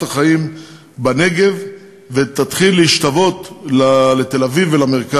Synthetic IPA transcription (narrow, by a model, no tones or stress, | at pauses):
taχaim | bane̞ɡe̞v | vet̪at̪χilːeiʃt̪avo̞t̪lalet̪e̞lavivelame̞ʁka